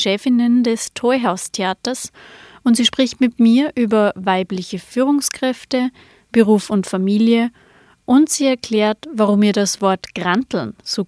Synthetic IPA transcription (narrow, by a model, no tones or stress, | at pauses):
ʃɛːfɪnəndɛstʰɔɪɦaʊstʰeaːtɐsʔʊntz̥iːʃpʁ̥ɪçtmɪtmiːɐʔyːbɐvaɪplɪçəfyːʁʊŋskʁ̥ɛftə | b̥əʁuːfʊntfamiːljə | ʔʊntz̥iːɛɐkʰl̥ɛːɐtvaʁʊmiːɐdasv̥ɔɐtɡ̥ʁantl̩nz̥oː